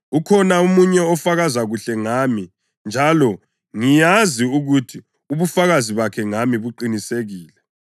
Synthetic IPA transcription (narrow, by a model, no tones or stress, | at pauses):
ukʰɔnaumuɲɛɔfaɣazaɣuɬɛŋami | nd͡ʒʱalɔ | ŋijaziuɣutʰi | uβufaɣaziβakʰɛŋamiβuǃiniseɣiːlɛ